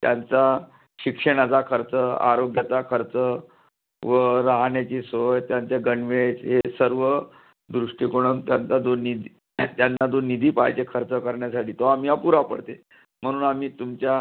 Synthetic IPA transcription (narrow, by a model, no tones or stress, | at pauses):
t̪jant͡sa | ɕikʂəɳat͡sakʰəɾt͡səa̰ɾoɡjat͡sakʰəɾt͡sə | ʋəɾaɦɳjat͡ɕiːsot̪jant͡seɡəɳʋet͡sɦesəɾʋə | d̪ɾuʂʈikoɽ̃ənt̪jant͡sad͡zonid̪i | t̪janːad͡zonid̪ʱiːpa̰jt͡ɕekʰəɾt͡səkəɾɳjasaʈiːt̪oam̤iːapuɾapə̰ɽt̪e | m̤əɽ̃uːnamiːt̪umt͡ɕja